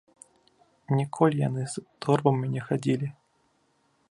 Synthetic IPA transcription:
nʲɪkʰolʲja̰nɨzd̪orvəmʲɪnʲɪxadʲilʲɪ

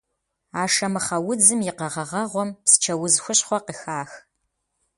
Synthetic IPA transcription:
aːʂɐmɨχɐwʊd͡zɨmjɪqɐʁɐʁɐʁʷɔmpsɨ̥t͡ʃʰɐwʊzxʷʊɕχʷɔqəxaːx

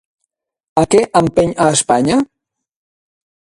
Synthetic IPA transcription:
əkɛʔəmpeɲaːspaɲa

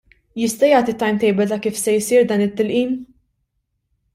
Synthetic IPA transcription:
jɪst̪ɐjɐːt̪it̪ːɐjmt̪ɛjbɛlt̪ɐkiːfsɛjsiːɾd̪ɐːnɪt̪ːɪlʔiːm

